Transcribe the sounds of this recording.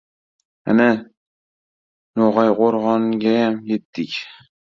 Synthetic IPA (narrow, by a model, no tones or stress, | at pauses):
a̰na | noʁɑjqoɾʁɒŋɡʲajamjet̪ːɪkʲ